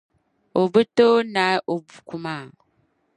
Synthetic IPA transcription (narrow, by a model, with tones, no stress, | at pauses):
o˨bə˦to˦na˨˦ʔo˨bu˨ku˦ma˦˨